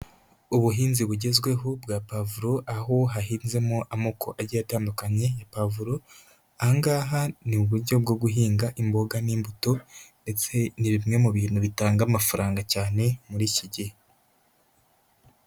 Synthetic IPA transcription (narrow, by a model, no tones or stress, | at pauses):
uβuɦiːnziβuɟe̞zɡwe̞ɦobɡaːpavuɾo̞ʔaɦo̞ɦahiːnze̞moʔamokʰo̞ʔaɟajataːndukaɲe̞japavuɾo̞ | ahaŋɡaːɦanimuβuɾɟo̞bɡo̞ɡuɦiːŋɡaʔimbo̞ɡaniːmbuto̞nde̞t͡se̞niβimŋe̞muβiːnuβitaːŋɡamafaɾaːŋɡacaːne̞muɾiciɟihe